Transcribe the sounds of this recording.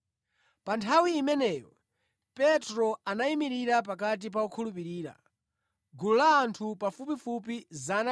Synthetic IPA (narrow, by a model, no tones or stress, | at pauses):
pantʰawiːmɛnɛjɔ | pɛtɾɔanaimiɾiɾap̬akat̬ip̬aukʰulup̬iɾiːɾa̰ | ɡululaːntʰupafupifupizana